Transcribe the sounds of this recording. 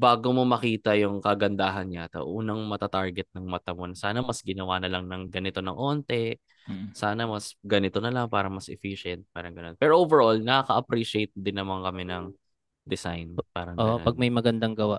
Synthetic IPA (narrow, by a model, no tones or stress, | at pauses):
baːɡomo̞mɐkiːt̪ɐjʊŋkɐɡɐnd̪aːɦɐnɲat̪ɐ̰ʔuːnɐŋmɐt̪ɐt̪aɹɡɛt̪̚nɐŋmɐt̪ɐmonɐsaːnɐmɐsɡɪnɐwanɐlɐŋnɐŋɡɐnɪt̪o̞nɐŋʔo̞ːnt̪ɛ | saːnɐmɐsɡɐnɪt̪o̞nɐlɐŋpaːɾɐmɐsʔɛfiʃɛnt̪̚paːɾɐŋɡɐno̞npɛɹʔoːvɛɹʔolnɐɐkɐʔɐpɾiʃɪejt̪̚d̪ɪnːɐmaŋkɐmɛnɐŋ | d̪ɛsa̰jnpaːɾɐŋɡopɐɡ̚mɐjmɐɡɐnd̪aŋɡɐwaʔ